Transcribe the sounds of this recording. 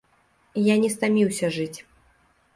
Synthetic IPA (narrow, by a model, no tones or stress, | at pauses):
janʲɛst̪amʲiwsʲɐʐɨt͡sʲ